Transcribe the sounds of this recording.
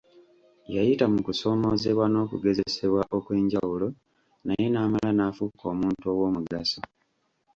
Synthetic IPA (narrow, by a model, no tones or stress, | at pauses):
jajitamukuso̞ːmo̞ze̞βwano̞ːkuɡe̞ze̞se̞βwaʔo̞kwe̞ːɲɟawulo̞ | naje̞naːmalanafuko̞ːmuːntuo̞wo̞ːmuɡaso